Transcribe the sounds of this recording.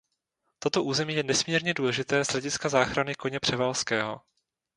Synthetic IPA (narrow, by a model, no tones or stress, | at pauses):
t̪ot̪oʔuːzɛmiːjɛnɛsmiːɾɲɛduːlɛʒɪt̪ɛːz̥ɦlɛɟɪskazaːxɾanɪko̞ɲɛpr̝̥ɛvalskɛːɦo̞̰